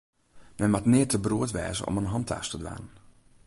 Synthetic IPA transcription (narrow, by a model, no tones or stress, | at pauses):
mɛnmatnɪːtəbruətʋɛ̰ːzə̰ʔɔ̰mənɦɑntʰa̰ːstədʋa̰ːnən